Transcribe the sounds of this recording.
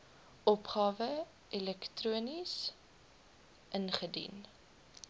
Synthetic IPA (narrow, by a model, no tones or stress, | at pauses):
ɔpχɑːvə | ʔilɛktruənis | ʔənχədḭn